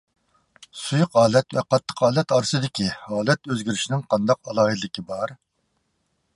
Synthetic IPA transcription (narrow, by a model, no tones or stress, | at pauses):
sujʊqɑːlˠɛt̪vɛ̰qʰɑt̪ʰːə̥qɑːlˠɛt̪ɑːɾɨsɨd̪ɪkʲihɑːlˠɛt̪øzɡʲiɾɪʃinɪŋqʰɑnd̪ɑqɑlˠɑːɦiɨɪkʲibɑɾ